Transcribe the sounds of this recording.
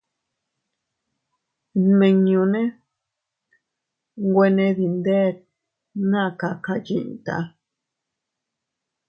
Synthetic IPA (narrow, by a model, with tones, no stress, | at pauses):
nmẽ˧ɲũ˧nẽ˦ | ŋɡwe˧nẽ˧ði˨nd̪e˦˨t̪̚ | nã˦˨ka˧ka˧d͡ʒḭ̃˧˨ʔt̪a̰˧˦